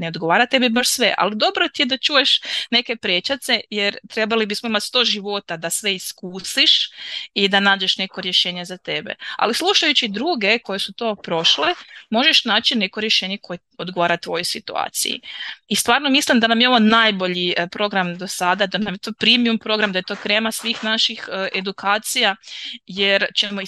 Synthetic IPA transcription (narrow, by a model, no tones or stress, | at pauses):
neo̞d̪ɡo̞ʋaːɾat̪e̞bibaʃsʋe̞̰ʔa̰lid̪o̞bɾo̞t̪ijed̪at͡ʃuːje̞ʃne̞ke̞pɾet͡ʃat̪se̞jeɾt̪ɾe̞balibismoimat̪st̪o̞ːʒiʋo̞t̪ad̪asʋe̞iskuːsiʃid̪anaːd͡ʑe̞ʃne̞ko̞ɾje̞ʃe̞ːɲezat̪e̞bḛa̰lisluʃajut͡ɕid̪ɾuːɡe̞ko̞je̞sut̪o̞ːpɾo̞ʃlemo̞ʒeʃnaːt͡ʃine̞ko̞ɾjeʃe̞ːɲe̞kʰo̞jeo̞d̪ɡoʋaːɾat̪ʋo̞josit̪ṵa̰ːt̪sḭjḭist̪ʋaːɾno̞mislimd̪anamjeo̞ʋonajbo̞ʎipɾo̞ɡɾamd̪o̞sad̪ad̪anamjet̪o̞pɾimiumpɾo̞ɡɾamd̪ajet̪o̞ːkɾe̞ːmasʋiːxnaʃixʔe̞d̪ukaːt̪sijajeɾt͡ʃemoi